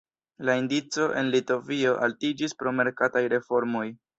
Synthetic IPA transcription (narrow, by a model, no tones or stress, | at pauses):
laindit͡so̞ʔe̞nlito̞vio̞ʔaltid͡ʒispɾo̞me̞ɾkatajɾe̞fo̞ɾmo̞j